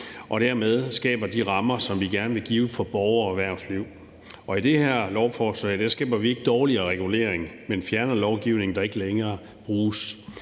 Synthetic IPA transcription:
ʔɒ̽ɾ̥æɐmeð̞ˠsɡ̥ɛ̰ːb̥ɐd̥iʁɑ̈mɐsɒ̽mʋiɡ̥æɐnəʋe̝ɡ̥iːʊfɒ̽b̥ɒʊɐʋæɐ̰sliʊ̰ | ʔɒ̽id̥e̝hæɐ̰lɒʊfɒːsɐd̥æɐsɡ̥ɛ̰ːb̥ɐʋie̝ɡ̥əd̥ɒːliɐːʁɛɡ̥ule̝̰ɐeŋmenfjæɐnɐlɒʊɡ̥iʊne̝ŋn̩d̥ɑ̈e̝ɡ̥əleŋɐː | b̥ʁuːs

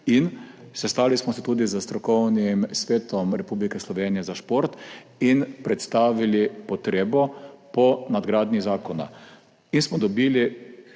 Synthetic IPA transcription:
insɛst̪aːlismɔsɛt̪uːd̪izəst̪ɾɔkɔwnimsʋeːt̪ɔmɾɛpublikɛslɔʋeːnijɛzaʃpoɾt̪inpɾɛt̪st̪aːʋilipɔt̪ɾeːbɔpɔnad̪ɡɾaːd̪nizaːkɔna̰ | insmɔd̪ɔbiːli

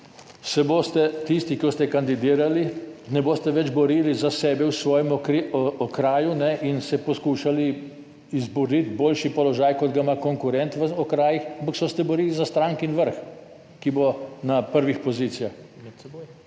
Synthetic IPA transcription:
sɛboːst̪ɛt̪ist̪ikost̪ɛkand̪id̪iːɾalinɛboːst̪ɛʋɛd͡ʒbɔɾiːlizasɛːbɛwsʋɔːjɛmɔkɾiɔkɾaːjunɛʔinsɛpɔskuːʃali | izbuɾnit̪boːlʃipɔlɔʒaːjkɔd̪ɡaimakɔŋkuɾɛnt̪ʋəɔkɾaːjixampaksɔst̪ɛbɔɾiːlizast̪ɾaːŋkinʋəɾx | kibonapəɾʋixpɔziːt̪sijax

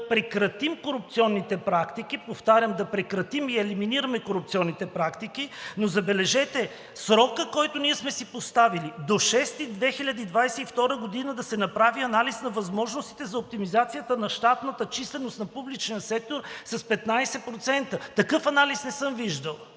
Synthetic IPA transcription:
pɾɛkɾɐt̪imkoɾup̚t̪siɔnːit̪ɛpɾakt̪ik̟ipoft̪aɾʲəmd̪ɐpɾɛkɾɐt̪imiɛliminiɾəmɛkoɾup̚t̪sʲiɔnːit̪ɛpɾakt̪ikinozɐbɛlɛʒɛt̪ɛ | sɾɔkəkɔjt̪oniɛsmɛsipost̪avilid̪oʃɛst̪id̪vɛxiʎʲəd̪iid̪vajsɛift̪ɔɾəɡod̪inəd̪ɐsɛnɐpɾaviɐnalisnɐvɐzmɔʒnost̪i̥t̪ɛzɐop̚t̪imizat̪sijət̪ənɐʃt̪at̪nət̪ət͡ʃislɛnost̪nɐpublit͡ʃnijɐsɛk̚t̪oɾsɐspɛt̪najsɛpɾot̪sɛnt̪ət̪ɐkɤfɐnalisnɛsɤmviʒd̪əlˠ

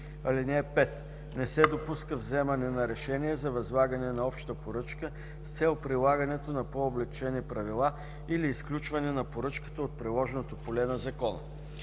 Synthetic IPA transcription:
ɐlinɛːpɛt̪ | nɛsɛd̪opuskəvzɛmɐnɛnɐɾɛʃɛniɛzɐvɐzlˠaɡənɛnɐɔpʃt̪əpoɾɤt͡ʃkə | st̪sɛlˠpɾilˠaɡənɛt̪onɐpoːblɛk̚t͡ʃɛnipɾɐvilˠa | iliːsklʲut͡ʃvɐnɛnɐpoɾɤt͡ʃkə̥t̪əot̪̚pɾilˠɔʒɛnot̪opolɛnɐzɐkɔnə̰

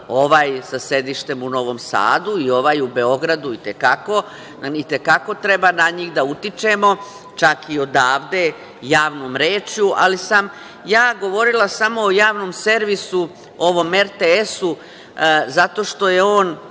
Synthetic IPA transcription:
o̞ʋaːjsase̞d̪iʃt̪e̞muno̞ʋo̞msa̰ːd̪uio̞ʋaːjube̞o̞ɡɾad̪uit̪ekako̞ | it̪e̞kako̞t̪ɾe̞banaɲiːɣd̪aut̪it͡ʃe̞mo̞ | t͡ʃakio̞d̪aːʋd̪e̞ | jaːʋno̞ːmɾeːt͡ʃjuʔa̰lisam | jaːɡo̞ʋo̞ɾilˠasamo̞ːjaːʋno̞ːmse̞ɾʋisu | o̞ʋo̞me̞ɾt̪eesu | zat̪oʃt̪o̞je̞o̞ːn

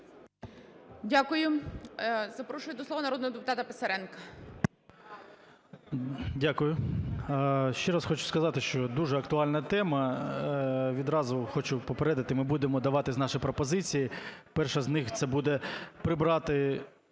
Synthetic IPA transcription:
dʲakʊjʊ | zɐpɾɔʃʊjɪd̪ɔslˠɔʋɐnɐɾɔd̪nɔɦɔd̪epʊt̪ɑt̪ɐpesɐɾɛnkɐ | dʲakʊjʊ | ʃt͡ʃɛɾɑsxɔt͡ʃʊ̥skɐzɑt̪ɪʃt͡ʃɔd̪uʒɛɐkt̪ʊɑlʲnɐt̪ɛmɐ | ʋʲid̪ɾɑzʊxɔt͡ʃʊpɔpeɾɛd̪ɐt̪ɪmɪbud̪emɔd̪ɐʋɑt̪ɪznɑʃɪjpɾɔpɔzɪt͡sʲijipɛrʃɐznɪxt̪sɛbud̪ɛpɾɪbɾɑt̪ɪ

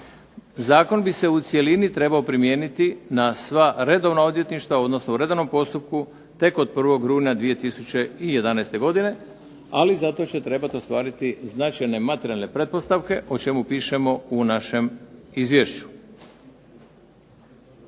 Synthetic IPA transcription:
zaːko̞nbise̞ut̪sje̞linit̪ɾe̞baopɾimje̞ːnit̪inasʋaɾe̞d̪o̞ʋnao̞d̪je̞t̪niʃt̪ʋao̞d̪nosnouɾe̞d̪oʋnompo̞st̪up̚ku | t̪e̞ko̞d̪̚pr̩ʋo̞ɡɾuːnad̪ʋije̞t̪isut͡ɕe̞ije̞d̪anɛjst̪e̞ɡo̞d̪ine̞ | alizat̪o̞t͡ɕe̞t̪ɾe̞bat̪o̞st̪ʋaːɾit̪iznat͡ʃajne̞mat̪eɾʲijalnepɾe̞t̪̚po̞st̪aʋke̞ʔo̞t͡ʃe̞mupiːʃe̞mo̞unaʃe̞mizʋjeːʃt͡ɕu̥

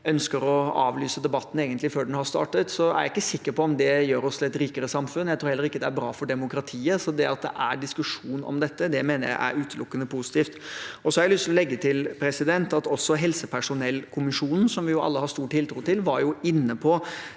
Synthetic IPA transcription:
œnskəɾɔɑ̰ːʋlyːsəd̪ɛbɑt̪ːn̩eːɡənt̪lɪføːɖɛnhɑst̪ɑ̰ːʈət̪sɔæ̰ɾjæɪkːəsɪkːəɾpɔɔmd̪ɛjøːɾɔst̪lɛt̪ːɾiːkəɾəsɑmfʉnːjæɪt̪ɾuːhɛlːəɾɪkːəd̪ɛæɾbɾɑːfɔɖɛmʊkɾɑt̪ʰiːəsɔd̪ɛɑt̪̚d̪ɛ̰ʔæɖɪskʉʂuːnɔ̰md̪ɛt̪ːəd̪ɛmeːnəɾjæ̰ɪʔæ̰ɾʉːt̪ʰəlʊkːənəpʰʊsɪ̥t̪iːft̪ɔsɔhɑɾæɪlʏst̪ɪlɔlɛɡːət̪ʰɪlpʰɾɛsɪd̪ɛnt̪ɑt̪ɔsːɔɦɛlsəpʰæʂʊnɛlːkʰʊmɪʂuːnn̩sɔmʋɪjʊʔɑ̰lːəhɑst̪uːʈʰːɪlt̪ʰɾuːt̪ɪlʋɑɾjʊɪnːəpʰɔ

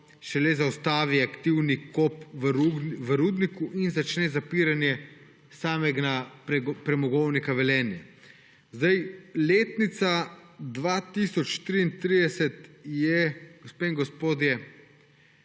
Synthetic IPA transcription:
ʃɛlɛzawst̪aːʋiakt̪iwnikopʋəɾuʋəɾuːd̪nikuʔinzat͡ʃnɛzapiːɾanjɛ | saːmɛɡnapɾɛmɔɡɔwnikaʋɛlɛːnjɛ | zd̪ajleːt̪nit̪sad̪ʋaːt̪isɔt͡ʃt̪ɾiːnt̪ɾiːd̪ɛsɛt̪jɛɡospeŋɡɔspoːd̪jɛ

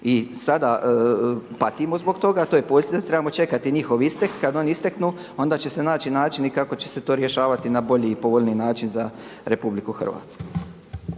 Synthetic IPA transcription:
isad̪a | pat̪imozboɡt̪o̞ɡat̪oːjepoːsʲt̪id̪at̪ɾebamot͡ʃe̞kat̪iɲixo̞ʋist̪ekːad̪o̞nist̪eknu | o̞nd̪at͡ɕe̞se̞naːinaːt͡ʃinikako̞t͡ɕe̞̥se̞t̪o̞ːɾje̞ʃaːʋat̪inabo̞ʎiːpo̞ʋoʎninaːt͡ʃinza | ɾe̞publikuxr̩ʋa̰t̪sku̥

